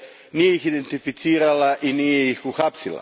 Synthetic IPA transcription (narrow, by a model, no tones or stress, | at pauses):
niixid̪ent̪ifit̪siːɾalaʔinieixuxapsila̰